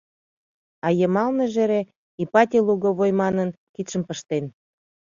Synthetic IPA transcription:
ɑjəmɑlneʒeɾe | ipɑt̪ʲeluɣoβojmɑnən | kit̪ʃəmpəʃt̪en

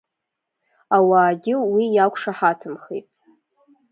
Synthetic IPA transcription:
awaːɡʲɪwijakʷʰʂaħatʰɨmχḛtʼ

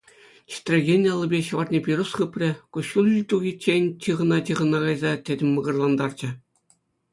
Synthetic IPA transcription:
t͡ɕi̥t̪ʲrʲeɡʲenʲjɑlˠːɤ̆bʲeɕɤ̆ʋɑrt̪ʲnʲepʲiɾusχɯpʲrʲɘ̆kuɕulʲt̪uɣʲit͡ɕːenʲt͡ɕʲɯʁɤ̆nɑtʲɯʁɤ̆nɑɡɑjzɑtʲedʲɘ̆mʲmɤ̆ɡɤ̆rlˠɑnd̪ɑrd͡ʑɘ̆

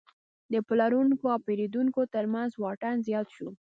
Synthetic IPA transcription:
d̪əplaɾuŋkoawpeɾed̪uŋkot̪əɾmanzwɑʈanzjɑt̪ʃu

